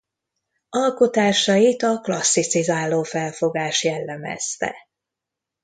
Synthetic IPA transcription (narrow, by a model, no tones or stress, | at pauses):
ɒlko̞t̪aːʃɒjit̪ɒklɒsːit̪sizaːlːoːfɛlfo̞ɡaːʃjɛlːɛmɛ̰st̪ɛ̰